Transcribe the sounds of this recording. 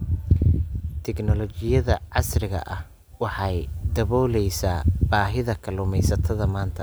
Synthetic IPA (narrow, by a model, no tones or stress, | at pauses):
t̪ʰɛknɔlɔt͡ʃɪjɐðɐʕɑsrɪɣɐ̰ʔɐh | wɑħɑjd̪ɐβɔːlɛjsaːbaːɦɪðɐkʰɐlʊmɛjsɐt̪ʰɐðɐmaːnt̪ʰɐ